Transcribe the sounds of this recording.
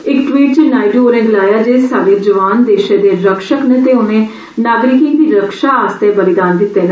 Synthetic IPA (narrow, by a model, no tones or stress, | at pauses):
ɪkʈʋiːʈ̚t͡ʃenaːiɖoːnẽːŋɡlaːjaːd͡ʒeːsaːɽeːd͡ʒəʋaːnd̪eːʃẽːd̪eːɾəkʃəknẽːt̪eːʊnẽː | naːɡɾɪkɪ̃ŋd̪iːɾəkʃaːaːst̪eːbəlɪd̪aːnd̪ɪt̪ːeːn